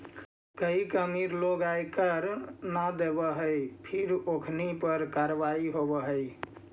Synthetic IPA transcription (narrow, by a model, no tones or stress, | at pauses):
kəikəmiɾloɡajkəɾnad̪ebəɦəjpʰiɾokʰnipəɾkaɾʋaiɦobəɦəj